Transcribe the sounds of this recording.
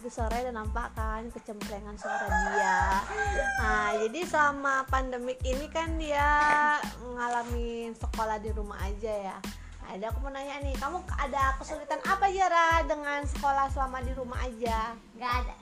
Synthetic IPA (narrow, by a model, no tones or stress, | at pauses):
disoɾadanampakankət͡ʃəmplɛŋansulit̪anddia | əd͡ʒadisamapandəmɪkinikandia | məŋalamisəkolahdiɾuma̰ʔad͡ʒaja | a̰dakumənaɲanikamuadakəsulit̪anʔapad͡ʒaɾadəŋansə̥kolahsamadiɾumaʔad͡ʒa | ŋɡada